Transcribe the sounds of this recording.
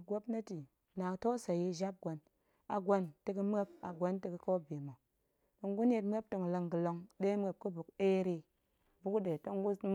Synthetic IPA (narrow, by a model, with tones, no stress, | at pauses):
ɡʷo˦pna˦ti˨ | na˨ŋ˨to˦sa˨ji˧ʒa˦p̚ɡʷo˨n | a̰˨ɡʷo˧nte˧kɨ˧m˦e˦p̚a˨ɡʷo˦nti˧kɨ˨ko˦bi˨ma˨ | to˧ŋɡu˦n˦e˦tme˦p̚to˧ŋ˨lə˧ŋɡi˨lo˧ŋde˦m˦e˨p̚ku˦bu˨ke˦ɾi˧ | bu˦ku˦de˨to˦ŋɡu˦m˦